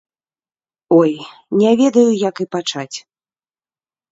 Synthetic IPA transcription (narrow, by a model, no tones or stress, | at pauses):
ɔjnʲɛvʲɛd̪ɐjujɐkɨpat͡ʂat͡sʲ